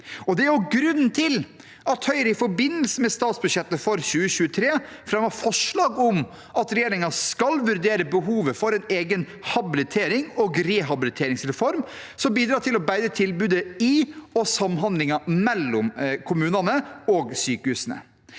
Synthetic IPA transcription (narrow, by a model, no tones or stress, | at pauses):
ɔd̪ɛæʉɡɾʉnn̩t̪ʰɪl | ɑt̪hœʏɾəɪfɔɾbɪnːəlsəmɛst̪ɑːt̪sbʉʂjɛt̪ːəfɔɾçʉːəɕʉːət̪ʰɾeːfɾɛmːɑfɔʂɭɑːɡɔm | ʔɑt̪ɾɛjeːɾɪŋɑskɑlʋʉɾd̪eːɾəbəɦuːʋəfɔɾɛɪneːɡən | hɑbɪlɪt̪ʰeːɾɪŋɔɡɾɛɦɑbɪlɪt̪ʰeːɾɪŋsɾɛfɔɾm | sɔmbiːd̪ɾɑːʈ̪ʰɪlɔbæɪd̪ət̪ʰɪlbʉːd̪əɪɔsɑmɦɑnd̪lɪŋɑmɛlːɔmkʰʊmʉːnɑnəɔɡsyːkəhʉːsnə̰